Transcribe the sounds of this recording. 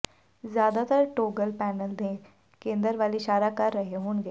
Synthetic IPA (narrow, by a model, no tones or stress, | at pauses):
zjaːd̪at̪əɾʈoːɡəlpɛːnəld̪ẽ | kẽːnd̪əɾʋaːliʃaːɾakɐɾːɐɦeɦoːnɡeː